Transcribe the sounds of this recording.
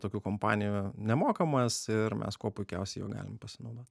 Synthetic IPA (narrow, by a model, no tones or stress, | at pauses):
t̪oːkʲuːkompɑ̰ːnʲɪjuːnʲɛmoːkɐmɐsɪɾmʲʔɛ̰skuɔpʊɪkʲɛʊsʲɛɪjo̰ːɡɑ̰ːlʲɪmpɐsʲɪnɒʊd̪oːtʲ